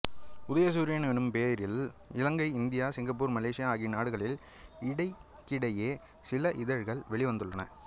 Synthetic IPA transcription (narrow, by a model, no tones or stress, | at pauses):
ʊðɐjɐs̬uːɾɪjenɛɳɯmpeːɾɪlɪlɐŋɡɐɪɪnd̪ɪjaːsɪŋɡɐp̬ːuːɾmɐleːʂɪjaaːɣɪnaːɽɯɣɐɭɪl | ɪɽɐɪ | kːɪɽɐjeː | sɪlɐʔɪðɐɻɣɐɭʋɛɭɪʋɐnd̪ɯɭːɐnɐ̰